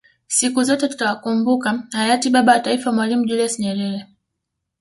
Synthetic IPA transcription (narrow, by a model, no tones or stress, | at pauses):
sikuzɔtɛtu̥tawakumbukahajatiɓaɓawataifamwalimuʄuliasɲɛɾɛɾɛ